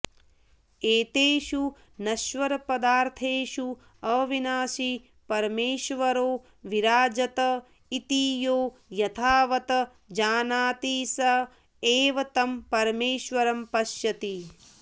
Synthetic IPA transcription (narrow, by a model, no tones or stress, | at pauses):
eːt̪eːʃu | nɐʃʋɐɾɐpɐd̪aːɾt̪ʰeːʃu | ɐːʋinaːʃi | pɐɾmeːʃʋɐɾoː | ʋiɾaːd͡ʒɐt̪ɐ | it̪iːjoːjɐt̪ʰaːʋɐt̪ɐ | d͡ʒaːnaːt̪iːsɐ | eːʋɐt̪ɐmpɐɾmeːʃʋɐɾɐmpɐʃjɐt̪i